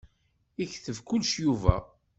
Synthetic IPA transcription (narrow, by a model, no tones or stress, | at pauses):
içθəvkʊlʃjuvæ̰